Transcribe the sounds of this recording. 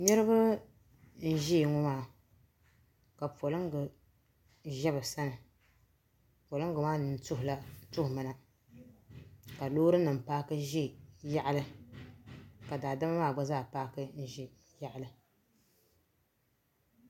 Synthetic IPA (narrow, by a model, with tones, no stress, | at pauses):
ɲɛ˦ɾɨ˦bɨ˦ | n̩˦ʒi˦˨ŋʊ˦maː˦˨ | ka˨po˨lɨ˦ŋ˦ɡɨ˨ | ʒɛ˦bɨ˨sa˦nɨ˨ | po˨lɨ˦ŋ˦ɡɨ˨maː˦nɨ˨n˨tʊ˦hʊ˨la˦tʊ˦hmɨ˨na˨ | ka˨loː˦ɾɨ˦nɨ˨m˨paː˦kɨ˦ʒi˦ja˦ʔa˦lɨ˦ | ka˨daː˨da˦ma˦maː˦˨ɡ͡ba˦zaː˦˨paː˦kɨ˦n̩˦ʒi˦ | ja˦ʔa˦˨lɨ˦